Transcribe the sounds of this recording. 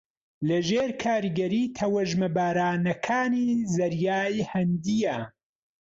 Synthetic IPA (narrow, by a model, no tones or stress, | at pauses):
lɐʒeːɾkʰaːɾiɡɐɾiːt̪ʰɐwɐʒmɐbaːɾaːnɐkʰaːnizɐɾjaːjhɐnd̪ijɐ